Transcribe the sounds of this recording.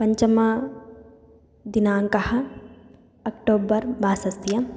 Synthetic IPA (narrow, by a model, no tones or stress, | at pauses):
pɐɲt͡ʃɐma | d̪inaːŋkɐhɐ | ɐkʈoːbɐɾbaːsɐst̪jɐ